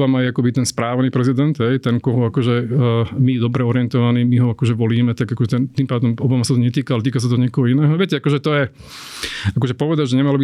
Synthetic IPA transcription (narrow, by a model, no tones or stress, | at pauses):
amajɛakɔbit̪ɛnspɾaːʋniːpɾɛzid̪ɛnt̪ɦɛjt̪ɛŋkɔɦɔakɔʒɛːmid̪ɔbɾɛɔɾɪɛnt̪ɔʋaniːmiɦɔakɔʒɛʋɔliːmɛt̪aɡakɔʒɛt̪ɛnt̪impaːd̪ɔmɔbamasat̪ɔɲɛt̪iːkaalɛt̪iːkas̬at̪ɔɲɪɛkɔɦɔinɛːɦɔʋɛcɛakɔʒɛt̪ɔjɛ | akɔʒɛpɔʋɛd̪aɟʒɛɲɛmalɔbi